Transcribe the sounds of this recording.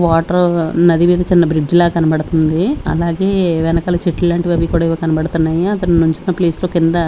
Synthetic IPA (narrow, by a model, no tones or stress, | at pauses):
ʋaːʈɐɾnɐd̪imiːd̪ɐt͡ʃinːɐbɾid͡ʒlaːkɐnɐbɐɽut̪und̪iɐ̰laːɡe̞ːʋɛnɐkɐːlɐt͡ʃiʈːulɐːɳʈiʋɐbikuːɽaːiʋɐkɐnɐbɐɽut̪unːaːjiɐt̪ɐnnuɲt͡ʃinːɐpleːsloːkind̪ɐ